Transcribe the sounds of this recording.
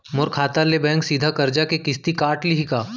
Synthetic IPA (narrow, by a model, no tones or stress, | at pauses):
mʊɾkʰaːt̪alebɛ̃ːŋksiːd̪ʱakɐɾd͡ʒakekɪst̪ikaːʈliɦikaː